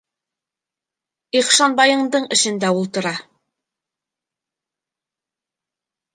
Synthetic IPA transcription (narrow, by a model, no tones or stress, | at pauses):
iχʃɑnbɑjɤ̆ɴd̪ɤɴɘ̆ʃɘ̆nd̪æulˠt̪ɤ̆ɾɑ